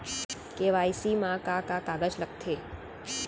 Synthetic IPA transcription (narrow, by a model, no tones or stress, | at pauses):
keʋaisimãkakakaɡət͡ʃlək̚t̪ʰe